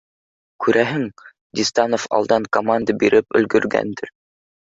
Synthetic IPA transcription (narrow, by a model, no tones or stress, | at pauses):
kʉɾʔæɦɘŋ | d̪ʲist̪ɑnofɑ̰lˠd̪ɑŋkomand̪əbiɾʔɘpɵ̆lɡɵ̆ɾɡæ̰nd̪ɘɾ